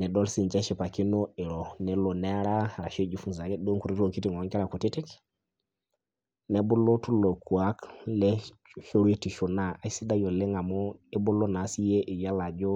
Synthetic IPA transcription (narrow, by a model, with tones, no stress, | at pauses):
nɛ˨do˦lsi˦˨nd͡ʒa˦ʃi˨pa˨ki˦no˦ɛ˨ɾo˨nɛ˨lo˨nɛ˦ɾa˦˨ɾa˨ʃe˦d͡ʒu˨fu˦nza˨ɡe˦do˦ŋku˨ɾi˦to˨ki˦ti˦˨ŋ˨ɔ˨˦ŋkɛ˦a˨ku˨ti˦ti˦k | nɛ˨˦bu˦lo˦tu˦lo˨ku˨a˦klɛ˦ | ʃo˦ɾu˦e˦ti˨ʃu˨na˦˨a˨˦si˦da˦jo˨le˦ŋa˨mo˦e˦bu˦lo˦na˨˦si˦je˦ʔi˨ja˦la˨d͡ʒo˦